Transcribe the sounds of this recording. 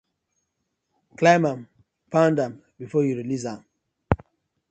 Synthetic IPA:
klãmãm | pãndãm | bifɔjuɾilis̬ãm

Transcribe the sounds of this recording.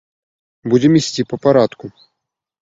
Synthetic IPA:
bud͡zʲɛmisʲt͡sʲipɐpaɾat̪ku

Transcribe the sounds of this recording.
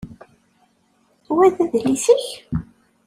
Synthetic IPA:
wæðæðlisəç

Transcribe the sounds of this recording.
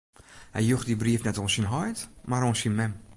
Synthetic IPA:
hɛjjuxdibriəfnɛtoːnsinɦɔjtmaɾoːnsinmɛm

